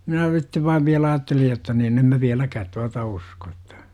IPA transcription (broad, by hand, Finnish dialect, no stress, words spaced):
minæ sitːeʋ ʋɑiʋ ʋiælæ ɑːtːelij jotːɑ nin em mæ ʋiælækæːt tuɑtɑ usko etːæ̥